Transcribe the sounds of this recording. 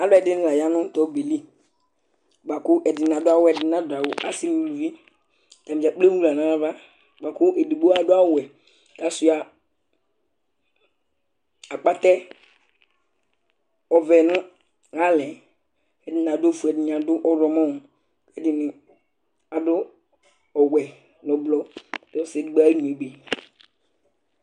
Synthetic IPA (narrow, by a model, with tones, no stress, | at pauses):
a˨lʊ˦ɛ˨dɪ˦nɪ˦la˨ja˦nʊ̃˦tɔ˨˦be˨li˦ | ɡ͡ba˨kʊ˦ʔɛ˨dɪ˨n˨a˨dʊ˦a˦wʊ˦ɛ˨dɪ˨na˨˦dʊ˨a˨wʊ˨ʔa˦si˦n˨u˨lu˨vi˦˨ | ta˨mɪ˨d͡ʒa˨k͡ple˦wu˦la˨nã˨˦va˦ | ɡ͡ba˨kʊ˦ʔe˨di˨ɡ͡bo˦a˦dʊ˦a˦ʊ˨ɛ˨ | ka˨sʊ˨ja˨ | a˨k͡pa˦tɛ˦ | ɔ˨vɛ˨nʊ̃˦ | ɣa˦lɛ˨ | kɛ˨˦dɪ˦n˨a˨do˦fu˨ɛ˨dɪ˨n˨a˨dʊ˦ʔɔ˦ɾɔ˨mã˦˨ | kɛ˦dɪ˨nɪ˨ | a˨dʊ˦ | ɔ˨wɛ˨ | nɔ˨blɔ˦˨tɛ˦sɪ˨˦dɡ͡ba˦n˨e˨ɡ͡be˨